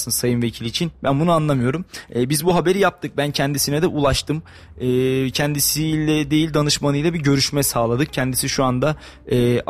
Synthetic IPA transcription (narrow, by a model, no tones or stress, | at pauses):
sɯnsajɯnve̞cʰilʲit͡ʃʰinbænbunuanlˠamɯjo̞ɾumɛːbizbuɦabe̞ɾijap̚t̪ʰɯk̚bæncʰɛnd̪isinɛd̪ɛʔulˠaʃt̪ʰɯm | ɯːcʰɛnd̪isilʲɛd̪e̞jilʲd̪anɯʃmanɯjlˠabiɟø̞ɾyʃmɛsaːlˠad̪ɯk̚cʰɛnd̪isiʃuand̪a | ɛː